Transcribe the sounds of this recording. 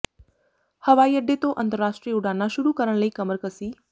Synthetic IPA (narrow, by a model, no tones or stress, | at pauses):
həʋaijəɖʱːet̪oʔənt̪əɾːaʃʈɾiːəuɽanːaʃʊɽukəɾəɽɳləikəməɾkəsiː